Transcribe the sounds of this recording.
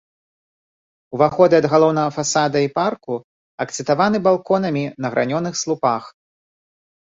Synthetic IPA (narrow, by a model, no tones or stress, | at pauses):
wvaxɔd̪ɨɐd̪ɣalˠɔwnɐɣɐfasad̪ɐiparku | ɐkt̪sɨt̪avanɨbalˠkɔnɐmʲinɐɣɾʔa̰nʲɔnɨxslˠupax